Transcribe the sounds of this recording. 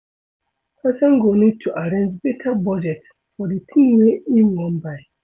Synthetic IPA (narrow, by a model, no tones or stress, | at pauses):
pʰɛsɔ̃ŋɡonĩd̚tʰuʔaɾẽnd͡ʒbɛtʰabɔd͡ʒɛt | fɔditʰĩmweiwɔ̃nbaɪ